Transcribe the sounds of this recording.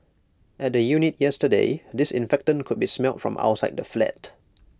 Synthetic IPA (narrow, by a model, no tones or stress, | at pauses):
ʔɛt̚dəjunit̚jɛstədḛdɪsɪ̰̃nfɛk̚tə̃nkʰʊd̚bismɛltfɹɔ̰̃mʔa̰wtsaɪd̚dəflɛ̰t̚